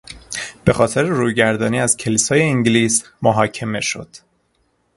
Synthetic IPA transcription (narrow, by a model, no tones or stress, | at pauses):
b̥e̞xɒːt̪ʰe̞ɾeɾuːjɟæɾd̪ɒːniːæz̥cʰe̞liːsɒːjeiŋɟliːs | moɦɒːcʰe̞me̞ʃo̞̰d̪̥